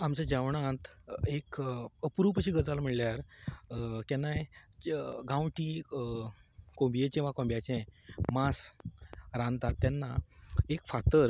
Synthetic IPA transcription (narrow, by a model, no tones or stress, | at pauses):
amt͡ɕad͡ʑaʋɳãt̪ekəpɾupəɕiɡəd͡zalam̤əɽljaɾ | kɛnaj | ɡãwʈiː | kõmbijekĩʋakõmbjat͡ɕɛ̃mas | ɾãnt̪at̪ːjanːaekfat̪əɾ